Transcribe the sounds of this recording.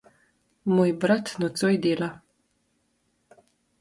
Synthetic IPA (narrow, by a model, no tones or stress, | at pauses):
moːjbɾat̪nɔt̪sojd̪eːla